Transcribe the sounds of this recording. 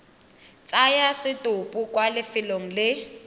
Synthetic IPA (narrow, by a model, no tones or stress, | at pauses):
t͡sʼajasɪtʼʊpʼukwalɪfɪloŋ̩lɪ